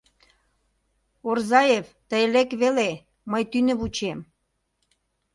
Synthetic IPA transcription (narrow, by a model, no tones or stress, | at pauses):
orzɑjevt̪əjlekβele | məjt̪ynə̆βut͡ɕem